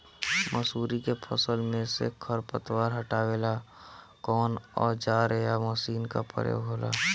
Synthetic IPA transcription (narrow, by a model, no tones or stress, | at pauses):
məsuːɾikepʰəsəlmẽsḛkʰəɾpət̪waːɾɦəʈaːweːla | kɔːnɔːɾd͡ʒaːɾejaməsiːnkapə̰ɾjo̰ɦoːla̰ː